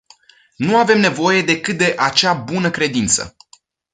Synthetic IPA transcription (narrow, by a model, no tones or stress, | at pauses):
nuave̞mne̞vo̞je̞d̪e̞kɨt̪̚d̪e̞ʔat͡ʃabunəkɾe̞d̪int̪sə̰